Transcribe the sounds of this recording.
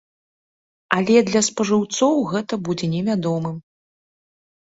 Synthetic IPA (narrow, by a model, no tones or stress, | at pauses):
ɐlʲɛd̪lʲɐspɐʐɨwt̪sɔwɣɛt̪ɐbud͡zʲɛnʲɛvʲad̪ɔmɨm